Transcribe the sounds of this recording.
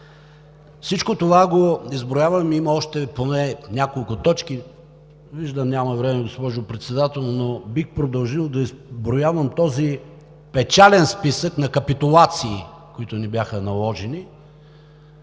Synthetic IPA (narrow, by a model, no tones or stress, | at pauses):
fsit͡ʃkot̪ovaɡoizbɾojavəmimɐɔʃt̪ɛponɛnʲakolˠkʊt̪ɔt͡ʃki | viʒd̪əmnʲamɐvɾɛmɛɡospɔʒʊpɾɛt̪sɛd̪at̪ɛlˠnobixpɾod̪ɐlˠʒilˠd̪ɐizbɾojavəmt̪ɔzi | pɛt͡ʃalɛnspisəknɐkəpit̪ʊlˠat̪siː | koit̪ʊnibʲjaxənɐlˠɔʒɛni